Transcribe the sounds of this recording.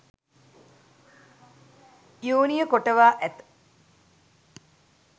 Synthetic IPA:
ijoːnijəkoʈəʋaːʔæt̪

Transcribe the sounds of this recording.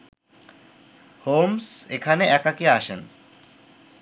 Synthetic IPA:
hoːmsekʰaneʔɛkakiaʃən

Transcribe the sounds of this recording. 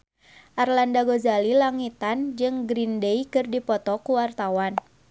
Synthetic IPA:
ʔarlandaɡozalilaŋit̪and͡ʒɨŋɡɾindejkɨrdipɔt̪ɔkuwart̪awan

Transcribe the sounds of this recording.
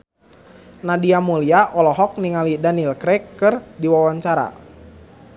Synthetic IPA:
nadiamuliaʔɔlɔɦɔk̚niŋalidanilkɾɛkːɨrdiwawaɲt͡ʃaɾa̰

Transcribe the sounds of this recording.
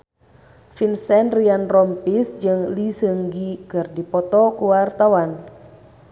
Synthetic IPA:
finsɛnrianrɔmpisd͡ʒɨŋlisəŋɡikɨrdipɔt̪ɔkuwart̪awan

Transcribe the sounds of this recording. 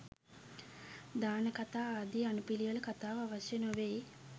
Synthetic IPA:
d̪aːnəkat̪aːaːd̪ianupilijələkat̪aːʋaʋasjənoʋe

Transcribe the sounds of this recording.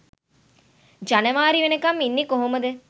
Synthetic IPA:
d͡ʒanəʋaːɾiʋenekaminːikoɦoməd̪ə

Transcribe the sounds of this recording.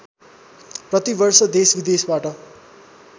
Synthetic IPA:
prʌt̪ibʌrsʌd̪esbid̪esbaʈʌ

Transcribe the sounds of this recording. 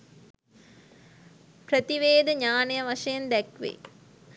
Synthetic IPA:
prət̪iʋeːd̪əɲaːnəjəʋaʂɐjɐnd̪ɛkʋḛ

